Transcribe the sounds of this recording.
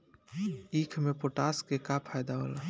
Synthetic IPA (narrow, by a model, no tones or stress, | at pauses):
ikʰmepoʈaskekapʰajd̪aɦo̰la